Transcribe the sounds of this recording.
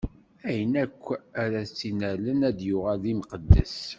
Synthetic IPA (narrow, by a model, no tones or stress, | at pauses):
æjənækʷːæɾæt͡sːinælənæd̪jʊʁæðimqəd̪ːə̰s